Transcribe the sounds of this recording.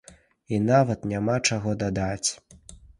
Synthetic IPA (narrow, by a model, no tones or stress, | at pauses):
inavɐt̪nʲamat͡ʂaɣɔd̪ad̪at͡sʲ